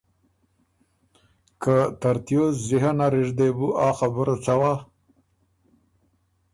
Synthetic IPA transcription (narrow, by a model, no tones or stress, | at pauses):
kat̪aɾt̪ijoziɦanaɾiʐd̪ebuʔɑːxabəɾot͡sawa